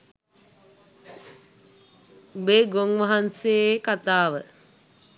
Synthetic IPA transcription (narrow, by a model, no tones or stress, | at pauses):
beɡoŋʋaɦanseekat̪aːʋə